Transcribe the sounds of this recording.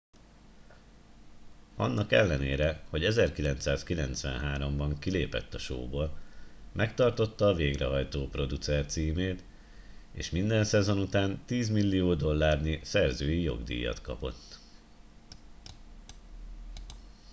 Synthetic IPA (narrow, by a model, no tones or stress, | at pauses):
ɒ̰nːɒkɛlːɛneːɾɛho̞ɟɛzɛrkilɛnt̪saːskilɛnt̪sʋɛ̰nɦaːɾo̞mbɒŋkileːpɛt̪ːɒʃo̰ːboːlmʔɛkt̪ɒrt̪o̞t̪ːɒːveːɡrɛɦɒjt̪oːpro̞d̪ut̪sɛlt̪siːmeːt̪ | eːʃmind̪ɛnsɛzo̞nut̪aːnt̪iːzmilːijoːd̪o̞lːaːrnisɛrzøːjijo̞̰ɡd̪ḭjːɒ̰t̪kɒ̰po̞̰t̪ː